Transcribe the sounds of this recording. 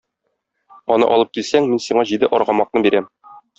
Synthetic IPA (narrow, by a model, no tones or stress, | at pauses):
ɒnɤ̰ʔɒ̰lˠɤp̚kilsæŋminsiɴɑʑid̪ɘʔɒɾʁɑmɑq̚nɤbiɾæm